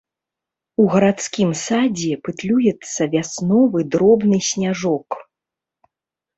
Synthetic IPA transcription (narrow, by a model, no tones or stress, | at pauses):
uɣɐɾat̪skʲimsad͡zʲɛpɨt̪lʲujɛt̪sːɐvʲasnɔvɨd̪ɾɔbnɨsʲnʲaʐɔk